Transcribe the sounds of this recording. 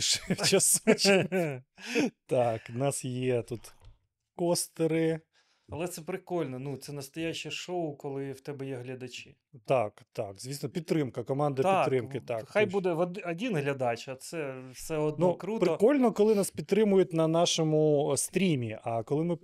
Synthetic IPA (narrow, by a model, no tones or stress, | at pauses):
ʃwt͡ʃɐsut͡ʃ | t̪ɑknɑsjɛt̪ut̪ | kɔst̪eɾɪ | ɐlˠɛt̪sɛpɾɪkɔlʲnɔnut̪sɛnɐst̪ɔjaʃɛʃoʊkɔlˠɪwt̪ɛbɛjɛɦlʲɐd̪ɐt͡ʃɪ | t̪ɑkt̪ɑkzʋʲisnɔpʲid̪t̪t̪ːɾɪmkɐkɔmɑnd̪ɐpit̪ɾɪmkɪt̪akxajbud̪ɛʋɐd̪ɐdʲinɦlʲɐd̪ɑt͡ʃɐt̪sɛfsɛɔd̪nukɾutpɾɪɔkɔlʲnɔkɔlˠɪnaspʲid̪t̪ːɾɪmʊjʊt̚ʲnɐnɑʃɔmʊst̪ɾʲimʲiʔɐkɔlˠɪmɪ